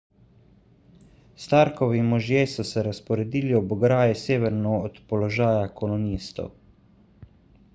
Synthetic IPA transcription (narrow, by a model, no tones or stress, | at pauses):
st̪aːɾkɔʋimɔʒjesɔsɛɾaspɔɾɛd̪iːliɔbɔɡɾaːjɛseːʋɛɾnɔːt̪pɔlɔʒaːjakɔlɔniːst̪ɔ̰w